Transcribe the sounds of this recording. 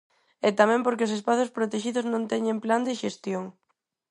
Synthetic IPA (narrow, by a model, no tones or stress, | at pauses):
ɛt̪amɛ̃mpoɾkeosespaθʊspɾot̪eʃiðʊznõnt̪ɛɲempland̪ɪʃest̪joŋ